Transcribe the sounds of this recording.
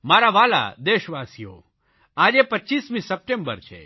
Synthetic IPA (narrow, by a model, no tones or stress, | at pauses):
maɾaʋala̰d̪eʃʋasijo̰ | ad͡ʒepəʃismĩsəp̚ʈembə̰ɾt͡ʃʰḛ